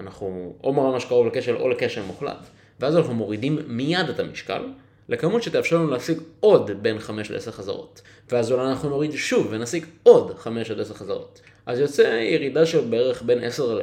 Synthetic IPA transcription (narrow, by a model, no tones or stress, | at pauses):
anaχnuʔomaʁamaʃkaʁovleke̞ʃe̞lʔo̞̰leke̞ʃelmuχla̰t | veazanaχnumo̞ʁidimːijadetamiʃka̰l | lekamutʃet̪efʃauleːsiɡo̞dbe̞nχameʃteseχaza̰ʁo̞̰t | veazolaanaχnuno̞ʁidʃuvːenasiɡo̞dχame̞ʃteseʁχaza̰ʁo̞̰t | ʔazjo̞t͡se̞jeʁidaʃelbeeʁe̞χbe̞ne̞seʁ